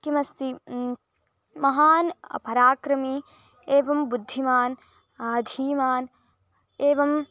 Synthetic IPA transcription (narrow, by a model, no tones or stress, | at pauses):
kimɐst̪i | mɐɦaːnɐ̰pɐɾaːkɾɐmi | eːʋɐmbud̪ʱːimaːn | ɐd̪ʱiːmaːn | eːʋɐm